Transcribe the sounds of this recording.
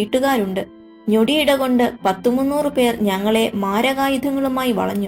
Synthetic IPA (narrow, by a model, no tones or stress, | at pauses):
iːʈːuɣaːɾuɳɖɨ | ɲo̞ɽijiɽɐɣo̞ɳɖɨpɐt̪ːumunːuːrɨpe̞ːrɲɐŋːɐɭe̞maːɾɐɣaːjud̪ʱɐŋːɐɭumaːjiʋɐ̰ɭɐ̰ɲːu